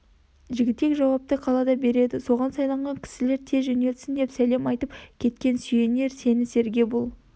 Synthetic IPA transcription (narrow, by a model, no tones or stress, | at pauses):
ʒɪɡʲɪt̪ːe̞kʒɑwɑp̚t̪əqʰɑlˠɑd̪ɑbe̞ɾe̞d̪ɪso̞ʁɑnsɑjlˠɑɴʁɑŋkʲʰɪ̥sɪle̞ɾt̪ʰe̞ʒɵne̞lsɪnd̪e̞psæle̞mɑjt̪əpkʲʰe̞t̪kʲe̞nsʏje̞ne̞ɾse̞nɪse̞ɾɡʲe̞bʊlˠ